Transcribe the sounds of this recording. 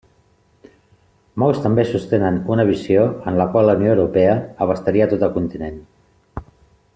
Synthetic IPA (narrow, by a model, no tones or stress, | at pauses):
mowst̪əmbesust̪enənunəβ̞isioənləkwaləunioəwɾupɛəəβ̞əst̪aɾiət̪ot̪əlˠkunt̪inen